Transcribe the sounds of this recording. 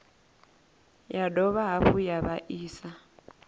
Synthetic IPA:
jadɔβaɦaɸujaβaʔiːsa

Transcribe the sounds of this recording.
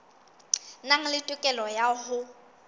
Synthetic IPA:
naŋ̩lɪtʼʊkʼɛlɔjaɦʊ

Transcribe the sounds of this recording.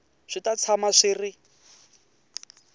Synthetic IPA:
ʂitat͡sʰamaʂirɪ

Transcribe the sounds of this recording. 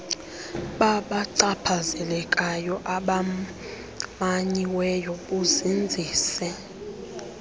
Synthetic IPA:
ɓaɓaǀapʰazɛlɛkʼajɔʔaɓa | maɲiwɛjoɓuzind͡zʱiːsɛ

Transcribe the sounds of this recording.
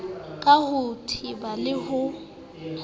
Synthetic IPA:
kʼahʊtʰibalɪhʊ

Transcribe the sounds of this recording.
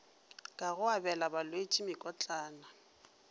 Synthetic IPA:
kʼaɣʊabɛlabalwet͡ʃʼimɪkʼɔt͡ɬʼaːna

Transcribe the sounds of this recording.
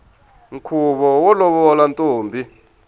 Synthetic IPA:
ŋ̩kʰuɓɔwɔlɔɓɔlantʼoːmbʱi

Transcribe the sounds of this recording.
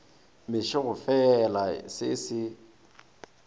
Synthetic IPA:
mɪʃɪɣʊfɛlasɪsɪ

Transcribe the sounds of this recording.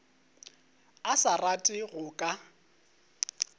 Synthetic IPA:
asaratʼɪɣʊkʼa

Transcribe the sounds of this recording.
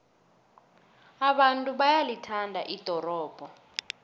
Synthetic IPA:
aɓantʼuɓajalitʰandʱaʔid̥ʱɔrɔːb̥ʱɔ

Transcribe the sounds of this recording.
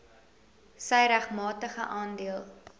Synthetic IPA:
səjɾæχmɑːtəχəʔɑːndiəlˠ

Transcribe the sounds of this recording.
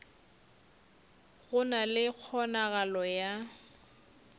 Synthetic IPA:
ɣʊnalɪk͡xʰɔnaɣalɔja

